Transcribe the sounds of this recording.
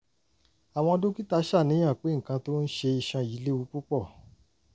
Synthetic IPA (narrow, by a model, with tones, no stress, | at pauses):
a˨w̃ɔ̃˧do˦ki˦ta˧˦ʃa˦˨nĩ˨˦ã˦˨k͡pe˨˦ŋ̩˨kã˧to˦n̩˦ʃe˧i˧ʃã˧ji˨˦le˦u˧˦k͡pu˦k͡pɔ˦˨